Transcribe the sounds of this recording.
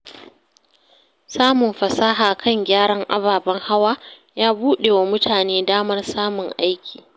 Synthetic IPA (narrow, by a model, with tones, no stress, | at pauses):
saː˦mʊ˨mɸɐ˨saː˦ɦaː˨kʰɐ˦˨ŋɡʲaː˦ɽɐ˦ŋʔa˦baː˨bɐ˦ŋha˦waː˦ | jaː˦buː˦ɗe˨wa˦mʊ˦tʰaː˨neː˦daː˦mɐ˦rsaː˦mʊ˨ŋʔa˦jkʲʰi̥ː˨